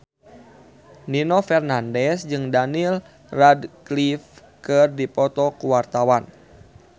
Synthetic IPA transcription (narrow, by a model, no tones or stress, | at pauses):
ninɔfɛrnandɛsd͡ʒɨŋdanil | radklif | kɨrdipɔt̪ɔkuwart̪awan